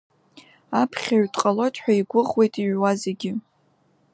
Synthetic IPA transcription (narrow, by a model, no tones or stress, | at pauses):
apʰχʲaɥtʼqʼalotʼħʷᶣaiɡʷʊʁwe̞jtʼiɥwazeɡʲɪ